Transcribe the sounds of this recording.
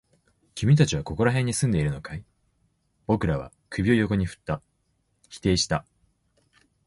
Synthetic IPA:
kʲimʲit̪at͡ɕiβako̞ko̞ɾaɦẽ̞ɲ̟ːisɨ̃nd̪e̞iɾɯ̟no̞kai | b̥o̞kɯ̟ɾaβ̞a̰ | kɯ̟bʲio̞jo̞ko̞ɲ̟iɸɯ̥t̪ːa | çi̥t̪e̞ːɕi̥t̪a

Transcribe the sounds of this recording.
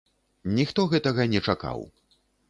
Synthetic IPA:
nʲixt̪ɔɣɛt̪ɐɣɐnʲɛt͡ʂaka̰w

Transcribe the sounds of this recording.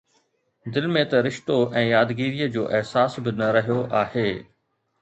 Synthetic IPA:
d̪ɪlmẽt̪ɐɾɪʃt̪oʔɛ̃ːjaːd̪ɡiːɾijəd͡ʑoːʔɪɦsaːsbɪnɐɾɐɦijoʔaːheː

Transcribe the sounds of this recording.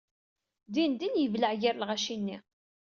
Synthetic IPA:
d̪ind̪injəvləʕjæɾlʁæʃinːi

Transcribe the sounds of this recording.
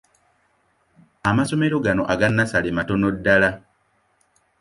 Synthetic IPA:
amaso̞meɾoɡanoʔaɡanːasalematonodːala

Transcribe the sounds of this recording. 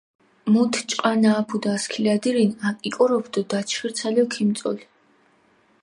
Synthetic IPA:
mut̪ʰt͡ʃʼqʼanaːpʰud̪aːskʰilad̪iɾinakʼikʼɔɾɔbd̪ɔd̪at͡ʃʰχiɾt̪sʰaliɔkʰimt̪sʼɔ̰li

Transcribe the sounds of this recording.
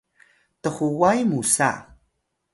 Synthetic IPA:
təχuwajmusa̰

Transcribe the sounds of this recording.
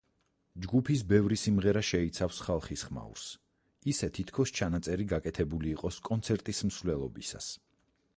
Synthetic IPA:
d͡ʒɡupʰis̬bɛvɾisimʁɛɾaʃɛit̪sʰafsχalˠχisχma̰ṵɾs | isɛt̪ʰit̪ʰkʰɔst͡ʃʰanat̪sʼɛɾiɡakʼɛt̪ʰɛbuliːqʼɔskʼɔnt̪sʰɛɾt̪ʼism̩svlɛlˠɔbḭsa̰s

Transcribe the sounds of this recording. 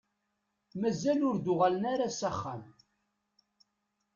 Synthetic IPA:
mæzælʊɾd̪ʊʁalənaɾasæχːæm

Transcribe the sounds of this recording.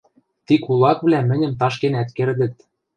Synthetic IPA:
t̪ikulˠɑkβlʲæmɘ̆nʲɘ̆mt̪ɑʃkenæt̪kerd̪ɘ̆t̪̚

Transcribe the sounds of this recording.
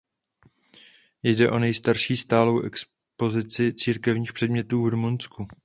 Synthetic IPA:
jdɛʔo̞nɛjst̪aɾʃiːst̪aːlo̞wʔɛks | po̞zɪt͡sɪt͡siːɾkɛvɲiːxpr̥ɛdmɲɛt̪uːvɾumunsku

